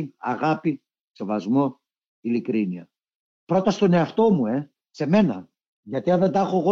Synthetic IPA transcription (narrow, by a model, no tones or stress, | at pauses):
ɐ̰ɣɐpi | se̞vɐzmo̞ | ilikɾiniɐ | pɾo̞t̪ɐst̪o̞neɐft̪o̞mue̞ | se̞me̞nɐ̰ | ʝɐt̪iɐnðend̪ɐxo̞eɣo